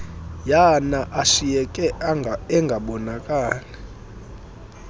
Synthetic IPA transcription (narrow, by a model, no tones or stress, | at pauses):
janaʔaʃijɛkʼɛɛŋɡʱaɓɔnakʼaːlɛ